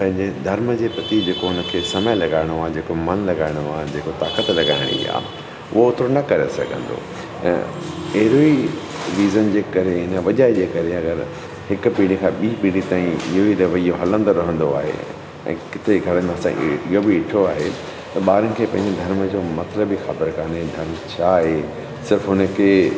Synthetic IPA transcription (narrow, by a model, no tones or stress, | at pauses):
pɐ̃ɦɪ̃ɲd͡ʑed̪ʱɐɾməd͡ʑeːpɐt̪id͡ʑeːkoɦʊnə̆kʰeːsɐməjlɐɡaːɪɽ̃oaːd͡ʑeːkomɐnlɐɡaːɪɽ̃oaːd͡ʑeːkot̪aːkət̪lɐɡa̰ːɪɽ̃ḭa̰ː | ʊɦoʊt̪ɾonɐkɐɾḛsɐ̰ɡʱə̃nd̪õ̰ː | ɐɦɪɾoi | ɾiːzənd͡ʑeːkɐɾeɦɪnəʋɐʄaːed͡ʑeːkɐɾeɐɡəɾ | hɪkʊpiːɽ̃ikʰãːɓiːpiːɽit̪aːĩɪɦoiɾɐʋəijoɦɐlə̃nd̪oɾɐɦə̃nd̪oa̰ːɦḛ | ɛ̰̃ːkɪt̪ʰeɡʱɐɾənɪmẽɐsã̰ɪɦobɪːʈʰoaːɦe | t̪ɐɓaːɾənɪ̆kʰeːpɐ̃ɦɪ̃ɲd͡ʑed̪ʱɐɾmd͡ʑoːmɐt̪ləbixat̪ɪɾkaːned̪ʱɐɾmt͡ɕʰaɦe | sɪɾfɦʊnə̆kʰeː